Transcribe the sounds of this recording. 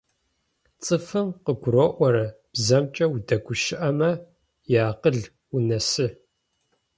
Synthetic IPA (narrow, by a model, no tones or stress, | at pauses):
t͡sʼɨfɨmqəɡʷʊɾoʔʷɔɾɐ | b̥zɐmt͡ʃʼɐwudɐɡʷʊʃɪʔɐmɐ | jaːqəɮ | unɐsɨ